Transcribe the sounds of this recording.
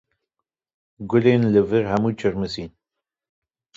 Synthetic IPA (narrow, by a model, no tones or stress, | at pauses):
ɡʊleːnlɨvɨɾɦɛmuːt͡ʃʰɨɾmɨsiːn